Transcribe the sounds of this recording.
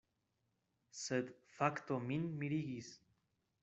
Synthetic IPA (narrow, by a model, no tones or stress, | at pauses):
səd̪fakt̪ominmiɾiɣis